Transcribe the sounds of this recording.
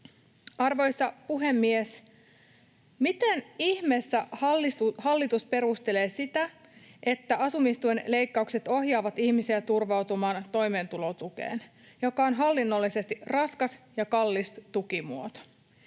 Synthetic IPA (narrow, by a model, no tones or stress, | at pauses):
ɑrʋo̞jsːɑpuɦe̞mːies | mit̪eniçme̞sːæht̪hɑlːit̪uspe̞ɾust̪e̞le̞ːsit̪æ | ʔe̞t̪ːæʔɑsumist̪uenle̞jkːɑukse̞t̪o̞ɦjɑːʋɑt̪içmisiæt̪urʋɑwt̪umɑːnt̪o̞jme̞ːnt̪ulo̞t̪ukḛːn | jo̞kɑo̞nɦɑlːinːo̞lːise̞st̪irɑskɑsjɑkɑlːistt̪ukimuot̪o̥